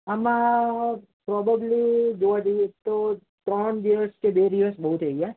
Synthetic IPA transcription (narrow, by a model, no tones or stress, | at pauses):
əmã | pɾɔbəblid͡ʒoʋad͡ʒəjet̪o | t̪ɾəɳd̪iʋəskebed̪iʋəsbəɦut̪əɡa